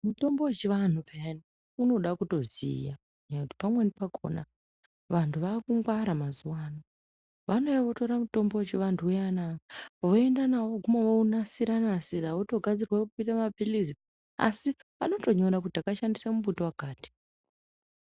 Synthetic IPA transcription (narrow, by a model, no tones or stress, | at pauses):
muto̞mbowet͡ʃeʋan̤upʰejani | uno̞ɗakuto̞zḭja | ɲaakuti̥pamwenipakʰo̰na̰ | ʋantʰuʋaːkuŋɡwaɾamazuwaːna | ʋano̞eʋo̞to̞ɾamuto̞mbowet͡ʃeʋantʰujanaaʋoendanawoɡʱumaʋounasiɾanasiraʋoto̞ɡʱad͡zirwakuitamapilizi | a̰siʋano̞to̞ɲo̞ɾakutakaʃandisamubutowakaːti̥